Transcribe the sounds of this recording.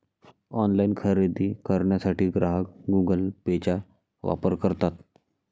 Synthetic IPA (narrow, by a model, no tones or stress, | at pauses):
ɔnlainkʰəɾed̪iːkəɾɳjasaʈiːɡɾaɦəkɡuɡəlpet͡ɕa | ʋa̰pəɾkəɾt̪at̪